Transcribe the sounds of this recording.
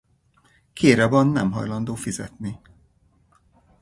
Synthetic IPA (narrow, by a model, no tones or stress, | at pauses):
kʰeːɾɛbɒnːɛ̰mɦɒ̰jlɒnd̪oːfizɛt̪ni